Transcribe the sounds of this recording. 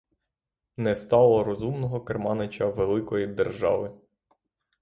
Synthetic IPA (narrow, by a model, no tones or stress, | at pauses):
nɛst̪ɑlˠɔɾɔzumnɔɦɔkermɑnɪt͡ʃɐʋelˠɪkɔjid̪erʒɑ̰ʋɪ